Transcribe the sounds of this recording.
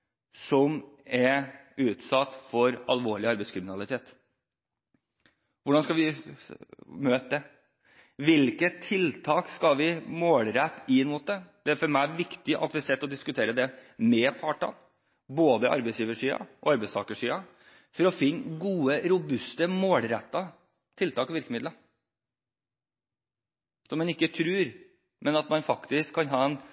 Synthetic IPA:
sɔmɛʉːt̪sɑt̪ːfɔɾɑ̰lʋoːɭɪɑɾbɛɪskʰɾɪmɪnɑlɪt̪ʰeːt̪ | ʋʊɖɑnskɑlʋɪ | møːt̪ə | ʋɪlkət̪ʰːɪlt̪ʰɑːkskɑlʋɪmoːlɾæpɪmuːt̪̚d̪ɛd̪̥ɛæɾfɔɾmæɪʋɪkt̪ɪʔɑ̰t̪ʋɪsɛt̪ːɔd̪ɪskʉt̪ʰeːɾəd̪ɛmɛpʰɑːʈɑ̰n | boːd̪əʔɑ̰ɾbɛɪsjiːʋəʂyːɑ̰ʔɔ̰ɑɾbɛɪst̪ɑ̰ːkəʂiːɑ | fɔɾɔfɪnːɡuːəɾʊbʉst̪əmoːlɾɛt̪ːɑ | t̪ʰɪlt̪ʰɑːkʋɪɾkəmɪd̪lɑ | sɔmːɛnɪkːət̪ʰɾʉːɾ | mɛnɑt̪mɑnfɑkt̪ɪskʰːɑnɦɑːɛn

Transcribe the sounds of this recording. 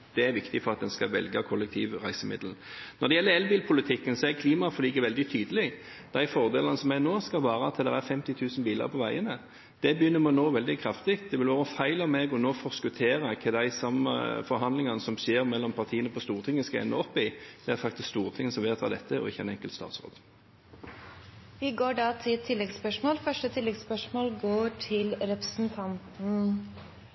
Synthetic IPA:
d̪̥ɛæɾʋɪkt̪ɪfɔɾɑt̪̚d̪ɛnskɑʋɛ̰lɡɑkʰɔlːɛk̚t̪ʰiːʋʁæɪsəmɪ̰d̪ln̩nɔd̪ɛjɛlːəɾɛlbiːlpʰʊlɪt̪ʰɪkːənsɔæɾkʰliːmɑfɔliːɡəʋɛld̪ɪt̪ʰyːd̪əlɪ | d̪̥æɪfɔʁd̪eːlɑnəsɔmænoːskɑʋɑːɾəɑt̪ʰːəld̪ɛ̰ɾæɾfɛmt̪ɪt̪ʰʉːsnbiːlɑ̰ɾpʰɔʋæɪənə | d̪̥ɛbəjʏnːəmɛɔnoːʋɛld̪ɪkʰɾɑft̪ɪt̪̚d̪ɛʋɪlʋɑːɾəfæɪlɑmeːɡɔnoːfɔʁskʉt̪ʰeːɾəkʰɛd̪æɪsɑmə̰fɔɾɦɑnlɪŋɑnəsɔmseːʁmɛlːɔmpʰɑʁt̪ʰiːənəpʰɔst̪uːʁt̪ʰɪŋːəskɑɛ̰nːəɔpːɪd̪̥ɛæɾfɑkt̪ɪskst̪uːʁt̪ʰɪŋːəsɔmʋɛːt̪ʰɑ̰ːd̪ɛt̪ʰːəɔ̰ɪçːəɛnɛŋkəlt̪st̪ɑ̰ːt̪sʁo̰ːd̪ | ʋɪɡoːɖɑːt̪ʰɪlt̪ʰɪlːɛɡspœʂmoːlfœʂʈət̪ʰɪlːɛɡspœʂmoːlɡoːʈʰɪlɾɛpɾəsn̩t̪ʰɑnt̪n̩

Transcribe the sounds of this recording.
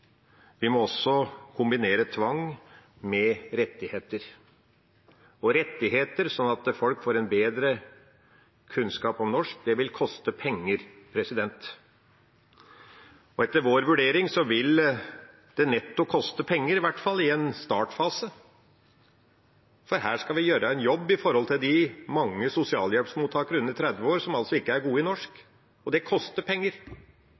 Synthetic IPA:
ʋɪmɔɔsːɔkʰʊmbɪneːɾət̪ʰʋɑŋ | mɛɾɛt̪ːɪheːt̪əɾ | ɔɾɛt̪ːɪɦeːt̪əɾsɔnːɑt̪fɔlkfoːɾɛnbeːd̪ɾə | kʰʉnskɑːpɔmnɔʂk̚d̪ɛʋɪlkʰɔst̪əpʰɛŋːəɾpʰɾɛsɪd̪ɛnt̪ | ɔɛt̪ːəɾʋoːɾʋʉɖeːɾɪŋsɔʋɪl | d̪̥ɛnɛt̪ːʊkʰɔst̪əpʰɛŋːəɾɪʋæʈːfɑlːɪɛnst̪ɑːʈfɑːsə | fɔɾɦæːʂkɑʋɪjøːɾəænjɔbːɪfɔɾhɔlt̪ʰɪld̪ɪmɑŋːəsʊsɪɑ̰ːljɛlpsmuːt̪ʰːɑːkəɾʉnːət̪ʰɾɛd̪ʋəoːɾsɔmɑlsɔɪkːəæɾɡuːəɪnɔʂk | ɔd̪ɛkʰɔst̪əpʰɛŋːəɾ

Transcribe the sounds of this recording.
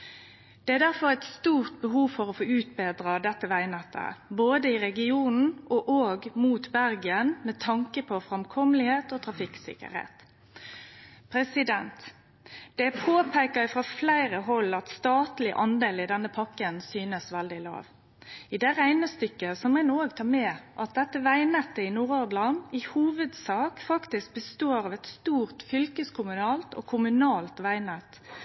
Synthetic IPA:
d̪̥ɛæd̪æʁfɔʁæɪt̪st̪uːʁt̪̚bəɦuːʋfɔɾɔfoːʉːt̪̚bɛːd̪ʁɑd̪ɛt̪ːəʋæɪnɛt̪ʰːə̰boːd̪əɪʁɛɡɪuːnn̩ʔɔʔoːɡmuːt̪bæɾɡɪənmɛt̪ʰɑŋkəpʰɔfʁɛmkʰɔməlɪheːt̪oːt̪ʰʁɑfɪksɪ̰kə̰ɾhḛːt̪ | pʰɾɛsɪd̪ɛnt̪ | d̪̥ɛpʰoːpʰæɪkɑɪfʁɑflæɪɾəɦɔlːɑt̪st̪ɑːt̪lɪʔɑnd̪eːlɪd̪ɛnːəpʰɑkːənsyːnəsʋɛld̪ɪlɑ̰ːʋ | ɪd̪ɛʁæɪnəst̪ʏkːəsɔmɛnːoːɡt̪ʰɑːmɛːʔɑt̪̚d̪ɛt̪ːəʋæɪnɛt̪ːəɪnuːʁɔʁd̪lɑnɪhuːʋəd̪sɑːkfɑkt̪ɪsk̚bəst̪oːɾɑʋɛt̪st̪uːʁt̪fʏlkəskʰʊmʉnɑːlt̪ɔ̰kʰʊmʉnɑːlt̪ʋæɪnɛt̪

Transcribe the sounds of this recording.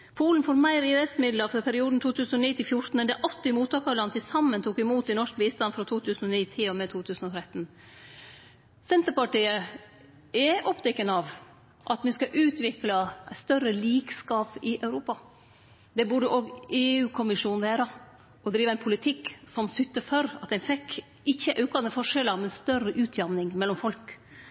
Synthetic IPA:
pʰuːlənfoːɾmæɪɾɪɛst̪mɪd̪ləɾfɔɾpʰæɾɪuːd̪n̩t̪ʰuːt̪ʰʉːsn̩ɔniːt̪ɪlfjʊɾt̪n̩ɛnd̪ɛʔɑt̪ːɪɪmuːt̪ʰɑːkɑɾlɑnt̪ʰɪlsɑmːənt̪ʰuːkɪmuːt̪ɪnɔʂk̚biːst̪ɑnfɾɑt̪ʰuːt̪ʰʉːsn̩ɔniːt̪ʰɪɔmɛt̪ʰuːt̪ʰʉːsn̩ɔt̪ʰɾɛt̪ːn̩ | sɛnt̪əɾpɑʈiːə | ɛʔɔpd̪ɛkːənɑʋ | ʔɑt̪mɪskɑʔʉːt̪ʋɪklɑst̪œrəliːkskɑːpɪʔœʉɾuːpɑ | d̪ɛbʉɖəʔoːɡeːʉːkʰʊmɪʂuːnʋeːɾə | ɔd̪ɾiːʋəæɪnpʰʊlɪt̪ʰɪkːsɔmsʏt̪ːəfɔɾɑt̪̚d̪ɛnfɛkː | ɪçːəʔɑʉkɑnəfɔʂɛləɾmɛnst̪œrəʔʉːt̪ʰjɑmnɪŋmɛlːɔmfɔlk

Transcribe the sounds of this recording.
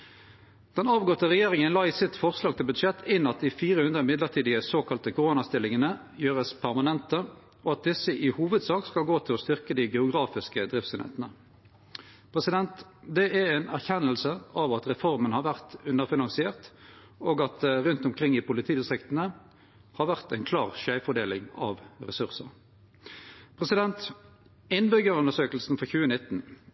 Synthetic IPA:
d̪̥ɛnɑːʋɡɔt̪ːəʁɛjeːʁɪŋənlɑːiːsɪt̪fɔʁslɑːɡ̚t̪ʰɪlbʉd̪ʂɛt̪ʰːɪnɑt̪̚d̪ɪfiːʁəhʉnd̪ʁəmɪd̪ləʁt̪ʰiːd̪ɪəsoːkɑlt̪əkʰʊʁoːnɑst̪ɪlɪŋənə | jøːʁəspʰæʁmɑnɛnt̪ə | ɔɑt̪̚d̪ɪsəʔɪhuːʋəd̪sɑːkskɑlɡoːt̪ʰɪlɔst̪ʏʁkəd̪ɪɡɛʊɡʁɑːfɪskəd̪ʁɪft̪seːnḛːt̪ənə | pʰʁɛsɪd̪ɛnt̪d̪ɛæɛɪnæʁçɛnːəlsəʔɑʋɑt̪ʁɛfɔʁmənhɑɾʁʋæʁt̪ʉnːəʁfɪnɑŋsɪeːʁt̪ | oːɡɑt̪ʁʉnt̪ʊmkʰʁɪŋːɪpʊlɪt̪ʰiːɪnst̪ʁɪkt̪ən̩ə | hɑːʁʋæʁt̪æɪnkʰlɑːʁʃæɪfɔd̪eːlɪŋɑ̰ʋʁɛsʉʁsəʁ | pʰʁɛsɪd̪ɛnt̪ | ɪnbʏɡəʁʉndəʂøːkəl̩sn̩fɔçʉːənɪt̪n̩

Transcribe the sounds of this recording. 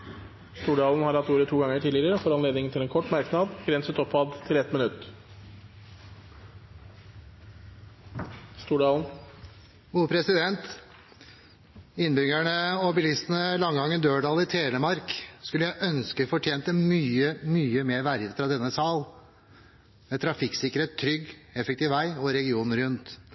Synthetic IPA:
st̪uːɖɑːln̩hɑɾhɑt̪ːuːɾət̪ʰuːɡɑŋːəʈʰiːd̪ɪɾəɾəfɔɾɑnleːd̪nɪŋnʰɪlɛːnkʰɔʈːmɑɾknɑd̪ɡ̥ɾɛnsət̪ɔpʰːɑd̪t̪ʰɪlɛt̪mɪnʉt̪ː | st̪uːɖɑːln̩ | ɡuːpʰɾɛsɪd̪ɛnt̪ | ɪnːbʏɡæɳəɔbɪlɪst̪ənəlɑŋɡɑŋːənd̪øːɖɑːlɪt̪ʰeːləmɑɾkskʉlːəjæɪʔœnskəfɔʈʰjeːnt̪əmyːəmyːəmeːɾʋæɾʋəfɾɑd̪ɛnːəsɑːl | mɛt̪ʰɾɑfɪksɪkəɾeːt̪ʰːɾʏɡɛfɛk̚t̪ɪːʋʋæɪɔɾɛɡɪuːnɾʉnt̪

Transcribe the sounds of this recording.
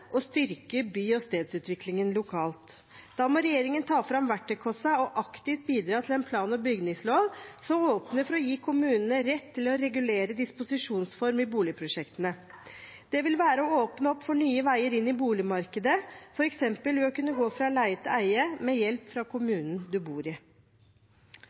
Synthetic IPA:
ʔɔst̪ʏɾkəbyːɔst̪eːd̪sʉːt̪ʋɪklɪŋənlʊkʰɑːlt̪ | d̪̥ɑːmɔɾɛjeːɾɪŋənt̪ʰɑːfɾɑmʋæʈːəkʰɔsɑɔʔɑkt̪ɪft̪̚biːd̪ɾɑːt̪ʰɪlɛnpʰlɑːnɔbʏɡnɪŋsloːʋsɔmoːpnəfɔɾɔjiːkʰʊmʉːnənəɾɛt̪ʰːɪlɔɾɛɡʉleːɾəd̪ɪspʊsɪʂuːnsfɔɾmɪbuːlɪpʰɾʊʂɛkt̪ənə | d̪̥ɛʋɪlʋæːɾəɔoːpnəɔpːfɔɳyːəʋæɪəɾɪnːɪbuːlɪmɑɾkəd̪əfɔɾɛksɛmpəlʋɛɔkʉnːəɡoːfɾɑlæɪət̪ʰɪæɪəmɛjɛlpfɾɑkʰʊmʉːnən̩d̪ʉbuːɾɪ

